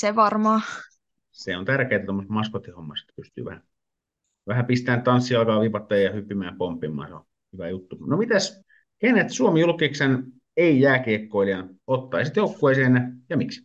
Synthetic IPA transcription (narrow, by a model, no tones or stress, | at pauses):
seʋɑrmɑː | seont̪ærkeːt̪æt̪omːost̪mɑspot̪ːihomːɑsi̥t̪ːpyst̪y̰ːʋæhæ | ʋæhæpist̪æːnt̪ɑnsːiɑlkɑːʋipɑt̪ːɑjɑjɑhypːimæːmpompːimːˑɑ̰ːnseo̰n | hyʋæjut̪ːunomit̪æs | kenet̪suomijulkːˑiksɑn | eijæːkeːkːoiljɑnot̪ːɑ̰isit̪joukːoeˑiseːnjɑjɑmiks